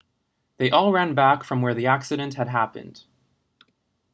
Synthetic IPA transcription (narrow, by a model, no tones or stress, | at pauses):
ðeɪʔɔlˠɹæ̃nbækfɹʌ̃mwə˞ðiæksɨɾɨ̃nthɨd̚ɦæpɨ̰̃nd̥